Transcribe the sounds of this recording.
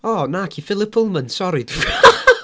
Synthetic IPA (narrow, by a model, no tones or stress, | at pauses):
ɔːnaːkʰifɪlˠɪpʰʊlˠmənsɔɾid